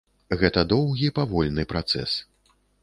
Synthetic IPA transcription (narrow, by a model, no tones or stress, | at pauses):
ɣɛt̪ɐd̪ɔwɣʲipavɔlʲnɨpɾat̪sɛ̰s